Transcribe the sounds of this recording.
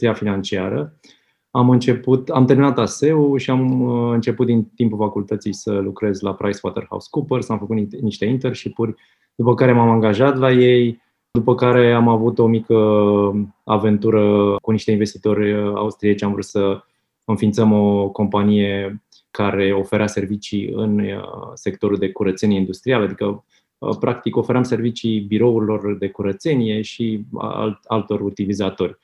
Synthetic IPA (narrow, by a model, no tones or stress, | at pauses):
iafinant͡ʃia̰ɾə | amɨnt͡ʃe̞put̪amt̪e̞ɾminat̪ase̞uʃiamɨnt͡ʃe̞put̪̚d̪int̪impulfakult̪ət̪sijsəlukɾe̞zlapɾajswa̰t̪erha̰w̰skupəɾsamfəkut̪niʃt̪e̞int̪e̞rʃipurʲ | d̪̥upəkaɾe̞mamaŋɡaʒat̪laje̞j | d̪upəkaɾe̞amavut̪o̞mikə | a̰ve̞nt̪uɾəkuniʃt̪e̞inve̞st̪it̪o̞ɾʲa̰ust̪ɾiet͡ʃamɱvɾut̪sə | ɨnfint̪səmo̞ko̞mpanije̞ | kaɾe̞o̞fe̞ɾease̞rvit͡ʃiɨ̰nse̞kt̪o̞ɾuld̪e̞kuɾət̪se̞nieind̪ust̪ɾialad̪ikə | pɾʔakt̪iko̞fe̞ɾeamse̞rvit͡ʃibiɾo̞uɾilo̞rd̪e̞kuɾət̪se̞nije̞ʃḭlalt̪o̞rut̪ilizat̪o̞rʲ